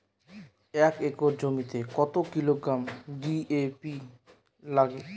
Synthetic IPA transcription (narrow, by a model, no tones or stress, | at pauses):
ɛkekoɾd͡ʑomit̪ekɔt̪okiloɡɾamɖiepi | laɡe